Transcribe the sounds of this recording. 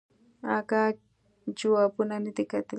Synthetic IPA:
aka | t͡ʃʊapʊnanɪt̪ɪkat̪ɪ

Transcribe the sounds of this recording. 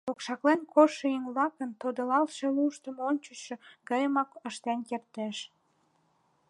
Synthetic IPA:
okʃɑklenkʰoʃeiŋlɑkənt̪od̪əlɑlʃeluʃt̪ə̆monʲt͡ɕəʃeɡɑjəmɑkəʃt̪enkert̪eʃ

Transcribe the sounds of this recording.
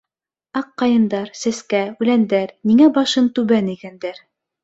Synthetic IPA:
ɑqːɑjɤ̆nd̪ɑɾsæskæʉlænd̪æɾniŋæbɑʃɤnt̪ʉβæniɡænd̪æɾ

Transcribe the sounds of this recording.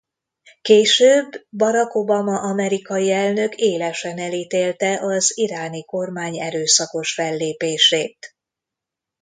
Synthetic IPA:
keːʃøːbːɒɾɒko̞bɒmɒʔɒmɛɾikɒjiɛlnø̞kʰeːlɛʃɛnɛlit̪eːlt̪ɛʔɒziɾaːniko̞rmaːɲɛɾøːsɒko̞ʃfɛlːeːpeːʃeːt̪

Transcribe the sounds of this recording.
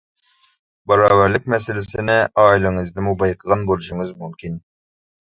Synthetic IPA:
bɑɾɑːvæɾlɪkʲmɛsɪlɪsɪnɪʔɑːilˠɪŋɨzd̪ɨmubɑjqʰəʁɑnbolˠuʃuŋɨzmymkʲin

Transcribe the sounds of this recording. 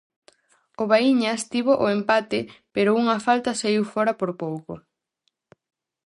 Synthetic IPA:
oβaiɲast̪iβoʔoempat̪ɪpeɾʊuŋɐfalt̪ɐseiwfoɾɐpoɾpowko

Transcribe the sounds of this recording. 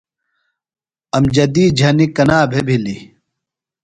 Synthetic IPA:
ɐmd͡ʑɐd̪iːd͡ʑʱɐnikɐnaːbʱebʱili

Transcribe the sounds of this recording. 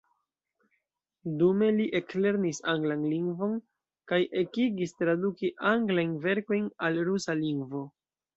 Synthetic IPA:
dume̞liʔe̞kleɾnisaŋɡlanliŋɡvo̞n | kajʔe̞kiɡistɾadukiʔaŋɡlajnve̞ɾko̞jnalɾusaliŋɡvo̞

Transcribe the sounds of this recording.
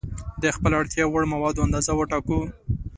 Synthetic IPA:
d̪əxpəlaɽt̪jɑwəɽmawɑd̪oand̪ɑzawəʈɑku

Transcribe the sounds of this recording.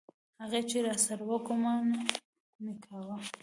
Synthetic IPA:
haɣet͡ʃeɾɑsaɾawəkoman | mɪkʰawa

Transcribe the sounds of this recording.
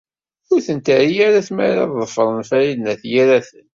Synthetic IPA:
ʊɾθənt̪əɾijaɾæθmæ̰ɾɑ̰ððˤəfəɾˤənfæɾilnæθjiɾæθən

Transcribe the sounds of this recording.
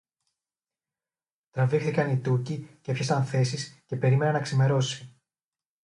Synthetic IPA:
t̪ɾɐvixθikɐnit̪ucicepçest̪ɐnθe̞sisce̞pe̞ɾime̞nɐnːɐksime̞ɾo̞si̥

